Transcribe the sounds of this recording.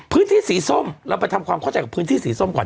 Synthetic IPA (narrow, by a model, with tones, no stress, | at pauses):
pʰɯː˦˥nt̪ʰiː˥˩˨siː˨˩˦so˥˩mɾaː˧˥˩pa˧jt̪ʰa˧mkʰwaː˧kʰa˥˩t͡ɕa˧˦jka˨˩pʰɯː˦˥nt̪ʰiː˥˩siː˩˦so˥˩˨mkɔː˨˩n